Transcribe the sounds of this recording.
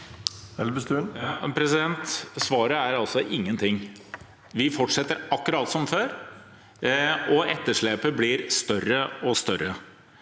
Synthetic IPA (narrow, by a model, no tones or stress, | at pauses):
ɛəst̪ʉnpʰɾɛsɪd̪ɛnt̪sʋɑːɾəæɾɑlsɔʔɪŋːənt̪ʰɪŋ | ʋɪfɔʈʂɛt̪ːəɾʔɑkːʉɾɑːt̪sɔmføːɾ | ɔʔɛt̪ːəʂɭeːpəblɪɾst̪œrːəɔst̪œɾə